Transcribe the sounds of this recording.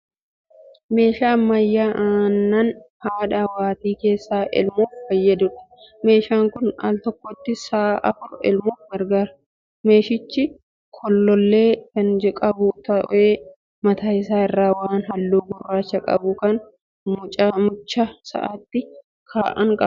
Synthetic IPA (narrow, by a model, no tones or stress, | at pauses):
me̞ːʃaːmɐjːaːʔaːnːɐnhaːᶑaːwaːt̪iːke̞ːsːaːʔɪ̰lmuːffɐjːɐd̪ʊᶑɐ̥me̞ːʃaːŋkʊna̰ːlt̪ɔkːɔt̪ːɪsaːʔɐfʊɾɛ̰lmuːfɡɐɾɡaːɾɐ | me̞ːʃɪt͡ʃːɪ | kʰɔlːɔlːe̞ːkɐnd͡ʒɛkʼɐbʊt̪ɐʔʔeː | mɐt̪aːɪsaːɪrːaːwaːnɦɐlːuːbʊrːaːt͡ʃːɐkʼɐ̰bʊkɐn | mʊt͡ʃʼmʊt͡ʃːɐsɐ̰ʔat̪ːɪ | kʰaːʔɐ̰ŋkʼɐ̰